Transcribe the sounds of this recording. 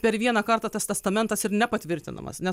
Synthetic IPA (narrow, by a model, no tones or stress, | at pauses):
pʲɛɾʋʲiɛnɐkɐɾt̪ɑt̪ɛst̪ʲɛst̪ɐmʲɛnt̪ɐsɪɾnʲɛpɐt̪ʲʋʲɪɾʲt̪ʲɪnɐ̰mɐ̰snʲɛ